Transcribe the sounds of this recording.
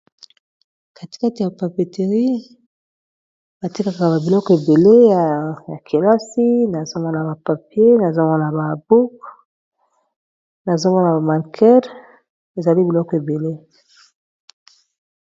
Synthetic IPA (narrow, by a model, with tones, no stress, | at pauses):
ka˨ti̥˨ka˦ti˨a˨pa˨pe˨te˨ʁi˦ | ba˨ti˦ka˨ka˨ba˨bi˨lɔ˦kɔ˨e˨be˨le˦a˨ja˨kʰe˨la˦si˦na˨zo˦mɔ˦na˨ba˨pa˨pje˦na˨za˦mɔ˦na˨ba˨bu˦k | na˨zo˦mɔ˦na˨ba˨ma˨ŋkʰɛ˦ʁ | e˨za˨li˦bi˨lɔ˦kɔ˨e˨be˨le˦